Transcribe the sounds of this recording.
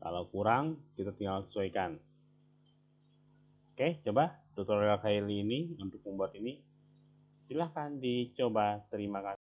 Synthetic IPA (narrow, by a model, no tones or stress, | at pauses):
ka̰lawkuɾaŋkit̪at̪iŋɡalsə̥suakan | kaht͡ʃobad̥ɔk̚t̪ɔrakailːniunt̪ʊk̚mumbuat̪ini | silahkandit͡ʃobat̪əɾimaka